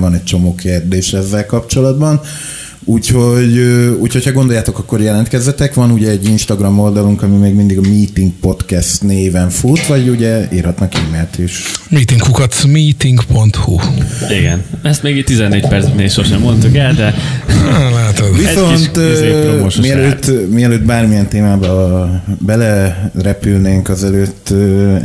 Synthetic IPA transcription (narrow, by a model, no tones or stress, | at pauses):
vɒnɛc̚t͡ʃo̞moːkʰeːrd̪eːʃɛzːɛlkɒpt͡ʃo̞lɒd̪bɒn | uːcho̞ɟøuːcʰhocʰhɒɡo̞nd̪o̞jaːt̪o̞kɒkːo̞rjɛlɛnt̪kɛzːɛt̪ɛkʋɒnuɟɛːɟːinʃt̪ɒɡrɒmo̞ld̪ɒluŋkɒmimeːɡmind̪iɡɒmiːt̪iŋɡ̚po̞t̪kɛst̪neːvɛɱfut̪ʋɒɟuɟɛḭrhɒt̪nɒkiːmeːlt̪eːʃmiːt̪iŋɡhukɒt̪smiːt̪iŋɡpo̞nt̪huiɡɛ̰nɛst̪meːɡiːtt̪izɛnːeːcpɛɾsineiʃoʃɛmːont̪ukɛld̪ɛ | laːt̪od̪viso̞nt̪ːoʃmiɛløːt̪ːmiɛløːt̪̚baːrmijɛnt̪eːmaːbɒbɛlɛrɛpylneːŋkɒzɛløːt̪ːø